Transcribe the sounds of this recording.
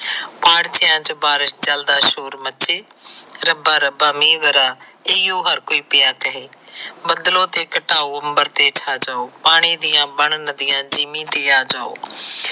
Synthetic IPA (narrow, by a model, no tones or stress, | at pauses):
paːɽt͡ʃɪjãːt͡ʃobaːɾɪsd͡ʒəld̪aːʃoːɾmət͡ʃeːɾəbaːɾəbaːmiːʋəɾaːejõːɦəɾkoːiːpɪjaːkəɦeːbəd̪lõːt̪eːkəʈaːoːəmbəɾt̪eːt͡ʃʰaːd͡ʒaːoːpaːɽ̃iːd̪ɪjãːbəɳnəd̪ɪjãːd͡ʒiːmĩːt̪eːaːd͡ʒaːo̰ː